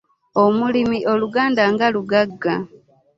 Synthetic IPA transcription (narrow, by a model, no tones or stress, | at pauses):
omulimiʔo̞luɡaːndaŋɡaluɡaɡːa